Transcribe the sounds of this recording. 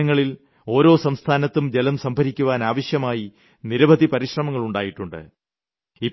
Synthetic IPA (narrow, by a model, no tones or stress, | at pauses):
ɐŋːɐɭil | o̞ːɾo̞ːsɐmst̪ʰaːnɐt̪ːumd͡ʑelɐmsɐmbʱɐɾikʲːuʋaːnaːʋɐɕjɐmaːji | niɾɐbɐd̪ipɐɾiɕrɐmɐŋːɐɭuɳɖaːjiʈːuɳɖɨ̰ | i